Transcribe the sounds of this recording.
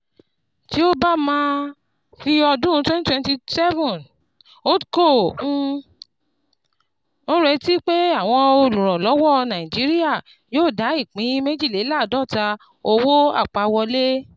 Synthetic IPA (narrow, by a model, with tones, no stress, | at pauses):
ti˨˦o˦ba˦mãː˦ | fi˦ɔ˧dũ˦˧˦twɛ̃˦n˦twɛ̃˦˧nti˧sɛ˦vɔ̃˦˨n | o˦kõ˦˨˧ | õ˦ɾɛ˧ti˦k͡pe˦a˦˨w̃ɔ̃˧o˧˨lũ˨ɾ̃ɔ̃˨lɔ˨˦wɔ˦˨˧nã˨ĩ˨d͡ʒi˨˦ɾi˦a˦˨ | joː˦˨da˨˦i˦˨k͡pĩ˨˦me˦d͡ʒi˦˨e˨˦la˦˨dɔ˦˨ta˧ | o˧wo˦a̰˦˨k͡pa˧wɔ˧le˦